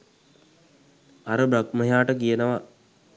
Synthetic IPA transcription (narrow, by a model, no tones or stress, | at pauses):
aɾəbɾakməɦjaːʈəkijənəʋa